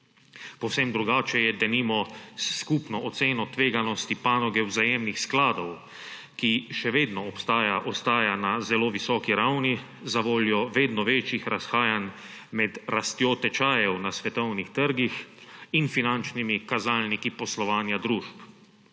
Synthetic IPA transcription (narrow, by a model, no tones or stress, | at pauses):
pɔwsɛmd̪ɾuɡaːt͡ʃɛjɛd̪ɛnimɔskuːpnɔʔɔt̪seːnɔt̪ʋeːɡanɔst̪ipaːnɔɡɛwzajeːmnixsklaːd̪ɔw | kiʃɛʋeːd̪nɔːpst̪aːjaʔɔst̪aːjanazɛloːʋisɔːkiɾawni | zaʋoːljɔʋeːd̪nɔʋeːt͡ʃixɾasxaːjan | mɛd̪ɾast̪joːt̪ɛt͡ʃaːjɛwnasʋɛt̪ɔwnixt̪əɾɡixinfinant͡ʃnimikazaːlnikipɔslɔʋaːnjad̪ɾuːʃp